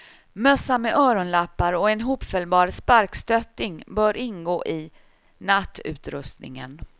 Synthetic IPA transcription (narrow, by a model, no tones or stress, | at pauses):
mœsːamɛʔœːɾɔnlapːaɾɔɛnɦuːpfœlbɑːɾspaɾkst̪œt̪ːɪŋbœːɾʔɪnɡoːʔɪ | nat̪ːʉ̟ːt̪ɾɵ̰st̪nɪ̰ŋə̰n